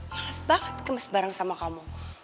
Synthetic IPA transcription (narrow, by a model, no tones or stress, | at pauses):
aasbaqə̥t̪kəməsbaɾaŋsamakamu